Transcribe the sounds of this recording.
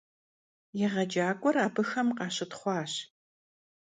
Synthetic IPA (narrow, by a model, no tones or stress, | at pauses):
jɛʁɐd͡ʒaːkʷʼɔɾaːbɨxɐmqɑːɕɪtχʷɑːɕ